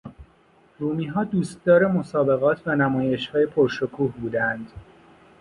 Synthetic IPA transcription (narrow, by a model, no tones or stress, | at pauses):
ruːmiːɦɒːd̪uːst̪̚d̪ɒːɾe̞mo̞sɒːbe̞ɣɒːt̪ʰvænæmɒːje̞ʃhɒːje̞pʰoɾʃokʰuːhbuːd̪ænd̪̥